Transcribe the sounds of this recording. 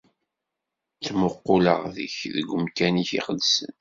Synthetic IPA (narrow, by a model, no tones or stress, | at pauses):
t͡sːmʊqːʊləʁðə̰çðəɡʷʊmkæniçḭχəðsə̰n